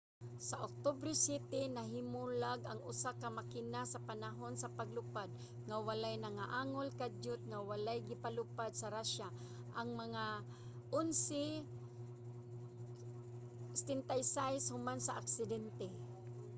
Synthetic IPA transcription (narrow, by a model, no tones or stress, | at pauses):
saʔok̚t̪obɾɛsjɛt̪ɛnaɦɪmulaɡaŋʊsakamakɪnasapanaɦonsapaɡlʊpad̪̚ | ŋawalajnaŋaʔaːŋolkad͡ʒʊt̪̚ŋawalajɡɪpalʊpad̪̚saɾaʃa | ʔaŋmaŋa | ʔonsɛ | sɛ̥t̪ɛnt̪ajsajshʊmansaʔaksɪd̪ɛnt̪ɛ